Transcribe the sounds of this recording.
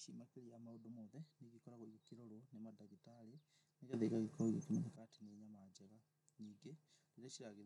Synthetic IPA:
ʃimakeɾiamaodomɔðɛneɣikɔɾaɣoiɣokeɾoɾonemadaɣitaɾe | neɣeðekaɣekɔoiɣokemanekateneɲamad͡ʑɛɣa | ɲiːŋɡe | ɾeɾeʃiɾaɣe

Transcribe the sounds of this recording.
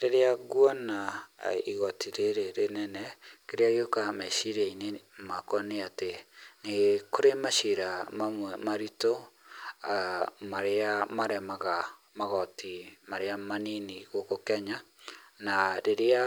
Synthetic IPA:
ɾeɾeaɣwanaiɣɔtiɾeɾeɾenɛnɛkeɾeaɣeokamɛʃiɾeinemakɔneateneɣkoɾemaʃiɾamamwɛmaɾito | amaɾeamaɾɛmaɣa | maɣɔtimaɾeamaniniɣokokɛɲanaɾeɾea

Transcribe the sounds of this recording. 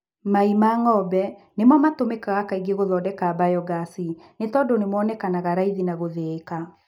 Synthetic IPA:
maimaŋɔbɛ | nemamatomekaɣakaiɡeɣoðɔdɛkaːbajɔɡasinetɔːndonemwɔnɛkanaɣaɾaiðinaɣoðeːka

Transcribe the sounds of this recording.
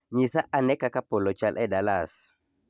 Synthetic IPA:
ɲisaʔanɛkakapolɔt͡ʃalʔɛdalas

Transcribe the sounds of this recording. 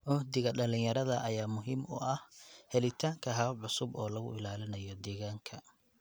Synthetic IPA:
ʔʊhd̪ɪɣɐɗɐlɪ̃jɐɾɐðɐʔɐjaːmʊɦiːmʊ̰ʔɐhhɛlɪt̪ʰaːŋkʰɐɦɐɐʕʊsʊbɔːlɐɣʊ̰ɪlaːlɪnɐjɔd̪ɛːɣaːŋkʰɐ

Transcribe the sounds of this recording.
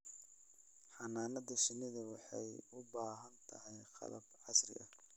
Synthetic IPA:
ħɑnaːnɐðɐʃɪnɪðɐwɑħɑjʊbaːɦɐnt̪ʰɐɦɛjqɑ̰lɐbʕɑsrɪ̰ʔɐ̰

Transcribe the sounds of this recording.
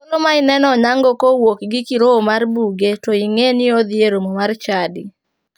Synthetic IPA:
olomaɪnɛnɔɲaŋɡokowokɡɪkiɾoːmarbuɡetoiŋenɪod̪ɪeɾomomart͡ʃadɪ

